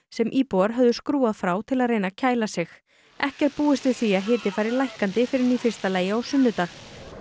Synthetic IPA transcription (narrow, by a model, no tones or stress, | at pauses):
sɛmʔiːpowaɾ̥ɦœvðʏskɾuːaðfɾaːwt̪ʰɪlaðrejnacʰaːjlasɪx | ɛhcɛɾ̥puːɪst̪vɪðθiːaðɦɪːt̪ɪfajɾɪɾlajhkant̪ɪfɪɾɪɾniːfɪr̥t̪alaːjɪawsʏnːʏt̪aːx